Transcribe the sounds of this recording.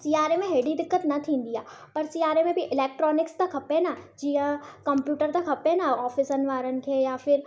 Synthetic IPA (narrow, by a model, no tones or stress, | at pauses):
siːaːɾemẽɦeːɖid̪ɪkːət̪nɐt̪ʰĩːnd̪ijaː | pɐɾsiːaːɾemẽbʱiʔɪleːk̚ʈɾɔːnɪkst̪ɐkʰɐpenad͡ʒiːɦə̃kɐmpjuːʈəɾt̪ɐkʰɐpenaɔːfɪsənʋaːɾənɪ̆kʰejafɪɾ